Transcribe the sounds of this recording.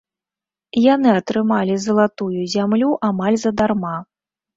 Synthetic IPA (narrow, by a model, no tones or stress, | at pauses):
janɨɐt̪ɾɨmalʲizɐlˠat̪ujuzʲamlʲuʔamalʲzɐd̪arma